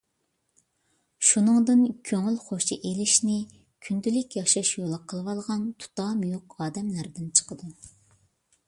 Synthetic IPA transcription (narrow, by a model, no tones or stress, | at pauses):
ʃunɨŋd̪ɨnkʲʰøŋylχoʃiʔelɪʃnɪ | kʲʰynd̪ylɪkʲjɑʃɑʃjolˠɑqʰəlˠwɑlˠʁɑnt̪ʰu̥t̪ɑːmujoqɑːd̪ɛmlæɾd̪ɪnt͡ʃʰə̥qəd̪u